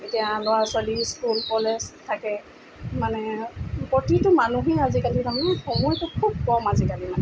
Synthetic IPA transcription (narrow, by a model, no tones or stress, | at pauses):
etijalʊwasʊwaliskulkɔlɛstʰːakɛ | manɛpɔtitʊmanuɦɛazikalinaɦnɛxɔmɔjtʊkʰub̚kɔmazikalimanɛ